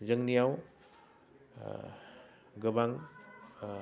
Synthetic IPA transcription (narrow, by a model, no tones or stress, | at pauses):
zəŋnijaw | ɡɯbaŋ